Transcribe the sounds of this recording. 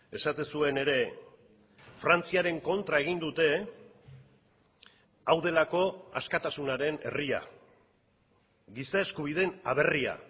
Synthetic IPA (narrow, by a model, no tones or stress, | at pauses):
e̞sat̪esue̞ne̞ɾe̞ | fɾant͡siaɾe̞ŋko̞nt̪ɾae̞ɣ̞ind̪ut̪e̞ | awðe̞lako̞a̰skat̪asunaɾe̞ne̞̰ria̰ | ɣisae̞skuβ̞ið̞e̞naβ̞e̞ria̰